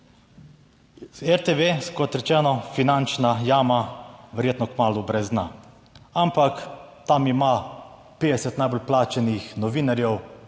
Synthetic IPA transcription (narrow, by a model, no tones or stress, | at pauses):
ɛɾt̪eʋeskɔt̪ɾɛt͡ʃɛːnɔfinant͡ʃnajaːmaʋɛɾjeːt̪nɔkmaːlubɾɛzd̪na̰ | ampakt̪amima | peːd̪ɛsɛt̪najbolplaːt͡ʃɛnixnɔʋiːnaɾjɛw